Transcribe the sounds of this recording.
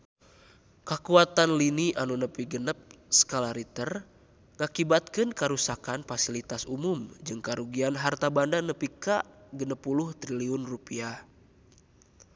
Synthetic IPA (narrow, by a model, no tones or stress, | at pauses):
kakuat̪anliniʔanunəpiɡənəp̚sə̥kalaɾit̪ər | ŋakibat̪̚kɨnkaɾusakanfasilit̪asumumd͡ʒɨŋkaɾuɡianɦart̪abandanəpikaɡənəpːuluht̪ɾiliunrupiah